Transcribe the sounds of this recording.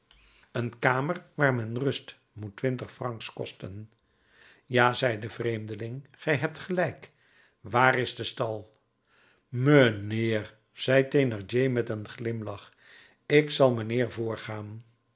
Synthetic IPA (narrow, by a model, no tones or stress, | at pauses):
ənkaːmərʋaːɹmɛnrɵst | mutʋɪntəχfrɑŋkskɔ̰stən | jaːzɛjdəvrejmdəlɪŋχɛjɦɛp̚tχəlɛjk | ʋaːrɪzdəstɑlˠ | məneːr | z̥ɛjtenɑɹd͡ʒejmɛtənχlɪmlɑχ | ɪksɑlˠmənɪːɹvʊːɹχaːn